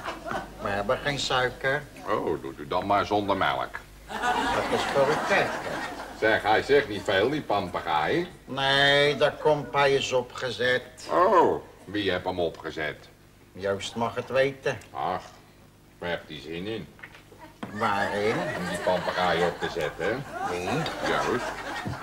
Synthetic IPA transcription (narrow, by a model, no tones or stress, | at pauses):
ʋəɦɛbəχejnsœɥkər | owdṵtydɔmaːɹzɔndərmɛ̰lˠə̰k | dɑtɪsforətɛkə̰sɛxɛjsɪχnitfeːlˠdipɑmpaχajəneːdɔkɔmpajəsɔpχəzɛtowʋiɦɛpəmɔpχəzɛ̰t | jøɥstmɑχətʋejtəɑx | ʋɛpdizɪnɪn | ʋaːrɪnəmdipɑmpəraːjəɔp̚təzɛtəʋijøɥst